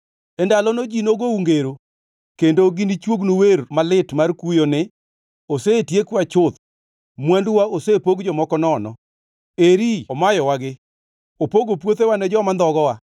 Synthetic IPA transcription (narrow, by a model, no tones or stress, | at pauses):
ɛndalɔnod͡ʒinoɡouŋɡeɾo | kendoɡinit͡ʃwoɡnowermalɪtmarkujonɪ | osetjekwat͡ʃʊt̪ | mwanduwaosepoɡd͡ʒɔmɔkɔnɔnɔ̰ | eɾiɔmajɔwaɡɪ | opoɡopwot̪ewanɛd͡ʒɔmand̪ɔɡɔwa